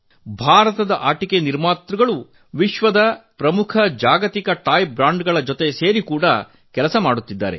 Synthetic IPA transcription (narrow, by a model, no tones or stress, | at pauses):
bʱaːɾɐt̪ɐd̪ɐʔaːʈikeniɾmaːt̪ɾuɡɐɭu | ʋiʃʋɐd̪ɐpɾɐmukʰɐd͡ʒaːɡɐt̪ikɐʈaːjbɾaːɳɖɡɐɭɐd͡ʒot̪e̞seːɾikuːɽɐ | kɛlɐsɐmaːɽut̪ːid̪ːa̰ːɾe̞̰